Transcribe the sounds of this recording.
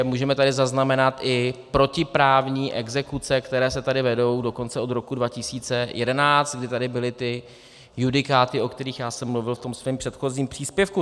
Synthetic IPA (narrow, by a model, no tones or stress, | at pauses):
muːʒɛmɛt̪adɪzaznamɛnat̪ʔɪpɾo̞cɪpɾaːvɲiːʔɛɡzɛkut͡sɛkt̪ɛɾɛːsɛt̪adɪvɛdo̞wdo̞ko̞nt͡sɛo̞d̪ɾo̞kudvacɪsiːt͡sɛjʔɛdɛnaːt͡st̪̚ɡdɪt̪adɪbɪlɪt̪ɪ | judɪkaːt̪ɪʔo̞kt̪ɛɾiːxjaːsɛmːluvɪlft̪o̞msvɛːmpr̥ɛt̪xo̞ziːmpr̥iːspjɛfku